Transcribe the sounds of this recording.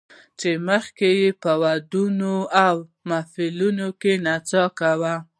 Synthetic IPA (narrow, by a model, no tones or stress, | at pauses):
t͡ʃeməxkejepəwad̪unoawmafilunokenat͡sɑkawa